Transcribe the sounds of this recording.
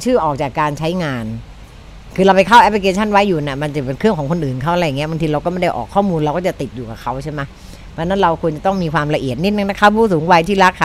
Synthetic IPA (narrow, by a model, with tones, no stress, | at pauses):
t͡ɕʰɯː˥˩ʔɔː˨˩k̚t͡ɕaː˨˩kːaː˧nt͡ɕʰa˦˥jŋaː˧n | kʰɯː˧ɾa˧wpa˧jkʰa˥˩wʔɛ˦˥p̚ʰli˧kʰeː˧t͡ɕʰa˥˩nwa˦˥jːuː˨˩ni˧˥˩ma˧nt͡ɕa˨˩pe˧nkʰɾɯ˥˩əŋkɔː˩˦ŋkʰo˧nʔɯː˨˩nkʰa˥wʔa˨ɾja˨˩ŋi˦˥ba˧ŋt̪ʰiː˧ɾa˧wkɔː˥˩ma˥˩da˥˩jʔɔ̰ː˨˩kʰːɔː˥˩muː˧nɾa˧wkɔː˥˩t͡ɕa˨˩t̪i˨˩t̪̚juː˨˩ka˨˩kʰa˦˥wt͡ɕʰa˥˩jma˦˥ | pʰːna˦˥nɾa˧wkʰu˧ənt͡ɕa˨˩t̪ɔ˥˩ŋmiː˧kʰwaː˧mɾa˧ʔi˨˩ət̪̚ni˦˥t̪̚nɯ˧na˦˥kʰa˦˥˩pʰuː˥˩suː˩˦ŋwa˧jt̪ʰiː˥˩ɾa˦˥kʰːa˧˩